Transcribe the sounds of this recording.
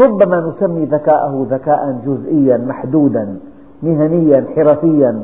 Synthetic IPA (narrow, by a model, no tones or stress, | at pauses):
ɾˤʊbːamanʊsamːiːðakaːʔahʊðakaːʔand͡ʒʊzʔɪjːanmaħd̪uːd̪an | mɪɦanɪjːanħɪɾaːfɪjːan